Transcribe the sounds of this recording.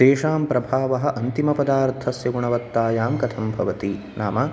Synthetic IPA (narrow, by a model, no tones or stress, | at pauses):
eːʂaːmpɾɐbʱaːʋɐɦɐ̆ʔɐnt̪imɐpɐd̪aːɾt̪ʰɐsjɐɡuɳɐʋɐt̪ːaːjaːmkɐt̪ʰɐmbʱɐʋɐt̪i | naːmɐ